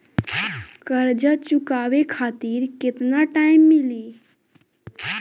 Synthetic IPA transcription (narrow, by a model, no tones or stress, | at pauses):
kəɾd͡ʒət͡ʃʊkaːwekʰaːt̪iːɾkɪt̪naʈaːɪmːɪli